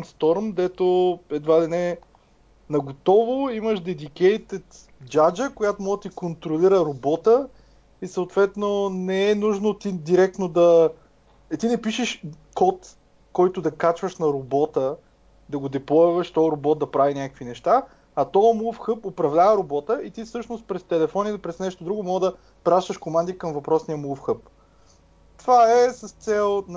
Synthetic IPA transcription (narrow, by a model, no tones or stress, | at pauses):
ɛnst̪ɔɾmd̪ɛt̪oɛd̪vad̪ɛnɛ | nɐɡot̪ɔvʊiməʃd̪ɛd̪ikɛjt̪ɛt̪ | d͡ʒad͡ʒəkojat̪omɔɡət̪ikont̪ɾoliɾəɾobɔt̪ə | isəʊt̪vɛt̪nonɛɛnuʒnot̪id̪iɾɛk̚t̪nod̪ɐ | ɛt̪inɛpiʃɛʃ | kɔt̪ | kɔjt̪ʊd̪ɐkat͡ʃvəʃnɐɾobɔt̪ə | d̪ɐɡod̪ɛplˠɔjvəʃt̪ɔəɾobɔt̪̚d̪ɐpɾavinʲakə̥kvinɛʃt̪a | ɐt̪ɔəmufxɤpopɾɐvlʲavəɾobɔt̪əit̪ifsɤʃnost̪̚pɾɛst̪ɛlɛfɔnit̪ɛpɾɛsnɛʃt̪od̪ɾuɡʊmɔɡd̪ɐ | pɾaʃt̪əʃkomand̪ikɐmvɐpɾɔsnijəmufxɤp̚ | t̪vaɛsəst̪sɛlˠn